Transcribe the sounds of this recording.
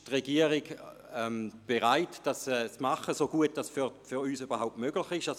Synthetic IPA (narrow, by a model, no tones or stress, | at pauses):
tʁeɡiəʁiɡ | ɛmb̥eʁaɪtd̥asɛːt͡smaχəsoɡuət̚d̥asffyʁyːsybɐhɦaʊp̚tmøɡlɪχɪʃa